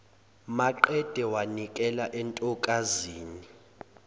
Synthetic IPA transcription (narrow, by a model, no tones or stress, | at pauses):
maǃɛd̥ʱɛwanikʼɛlaʔɛntʼɔkʼaziːni